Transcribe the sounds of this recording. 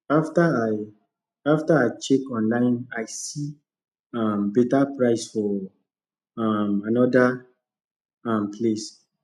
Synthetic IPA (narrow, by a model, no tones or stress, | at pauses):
aftaaj | aftaaɪt͡ʃekɔ̃nlãɪ̃najsi | ãmbetapɹaɪsfɔ | amanɔda | ãmpʰles